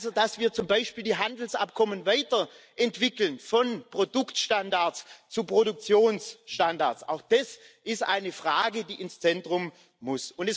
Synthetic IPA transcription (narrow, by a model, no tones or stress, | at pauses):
zodasv̥iːɐt͡sʊmbaɪʃpiːldiːɦandl̩sʔa̰p̚kʰɔmənvaɪtɐ | ʔɛntv̥ɪkl̩nfɔnpʁ̥odʊktʃtandaɐst͡supʁ̥odʊk̚t͡sjoːnsʃtandaɐt͡sʔa̰ʊxd̥as | ʔɪstʔaɪnəfʁaːɡədiːʔɪnst͡sɛntʁ̥ʊm | mʊsʊntɛs